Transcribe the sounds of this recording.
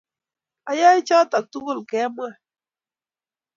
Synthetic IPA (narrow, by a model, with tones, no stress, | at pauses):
a˨ja˦i˦t͡ʃɔ˦ta˨k̚tu˦ɣo˦˨lkɛ˨˦mwa˦˨